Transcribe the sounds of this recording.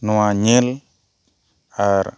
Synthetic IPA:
nuaɲel | aɾ

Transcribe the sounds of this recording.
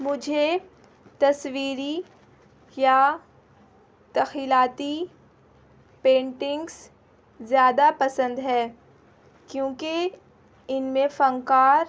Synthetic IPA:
mʊd͡ʒʱe | t̪ɐswiːɾi | ja | t̪ɐxiːlaːt̪i | pẽːɳʈɪ̃ŋɡs | zjaːd̪apɐsə̃nd̪ɦɛː | kjõːke | ɪnmẽfɐ̃ŋkaːɾ

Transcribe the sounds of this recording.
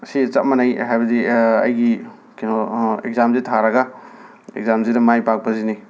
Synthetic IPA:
sit͡ʃɐt̚mɐnajɦajbɐdiɐ̰jɡi | kinɔḛk̚zamzitʰaɾɐɡa | ḛkzamzidɐmajpak̚pɐzini

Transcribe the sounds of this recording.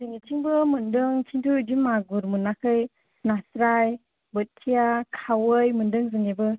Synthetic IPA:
zɯŋitʰiŋbɯmɯndɯŋkʰintʰudimaɡuɾmɯnakʰɯj | nasɾaj | bɯtʰijakʰawɯjmɯndɯŋzɯŋebɯ

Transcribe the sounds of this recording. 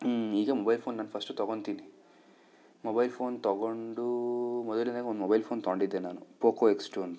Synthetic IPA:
iɡemobajlpʰonːanpʰɐsʈɔt̪ɔɡɔnt̪ini | mobajlpʰont̪ɔɡɔɳɖumɔd̪ɔlinakonmobajlpʰont̪ɔɳɖid̪enanupokoeksʈon

